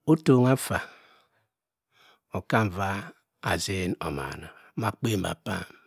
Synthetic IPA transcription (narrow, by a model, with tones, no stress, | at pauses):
o˦to˨ŋa˦fa˨ | o˨ka˦m˨va˦ | a˨ze˦no̰˨ma̰˨nɔ˨˦ma˦k͡pe˦˨m̩˨ba̰˨pa̰˦˨m